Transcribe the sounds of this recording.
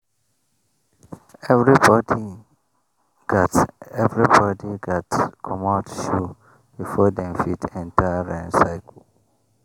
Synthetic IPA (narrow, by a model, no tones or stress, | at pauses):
ɛvɹibɔdi | ɡ̥atɛvɹibɔdiɡatkʰɔmatʃu | b̥ifɔdɛ̃mfitɛ̃ntaɹɛ̃nsaɪkʰl̩